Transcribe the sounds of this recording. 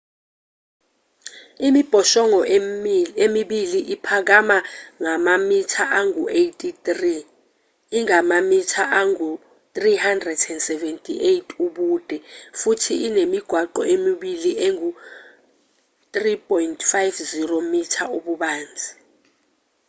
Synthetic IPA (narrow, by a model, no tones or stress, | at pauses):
imib̥ʱɔʃɔŋɔ | emiɓiliʔipʰak̬amaŋamamitʰaʔaŋuejtʼitriː | ŋamamitʰaʔaŋu | tʼrihandrɛdɛndsɛvɛntʼiʔejtʰʼuɓuːd̥ʱɛfutʰiinemiɡ̥ʱwaǃɔ̰ʔemiɓilieŋu | tripʼɔjntʰʼfajfziromitʰauɓuɓaːnd͡zʱi